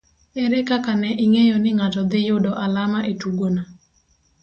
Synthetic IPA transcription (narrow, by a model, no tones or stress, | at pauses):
ɛɾɛkakanɛʔɪŋejɔnɪŋatɔd̪ɪjʊdɔʔalamaʔetuɡona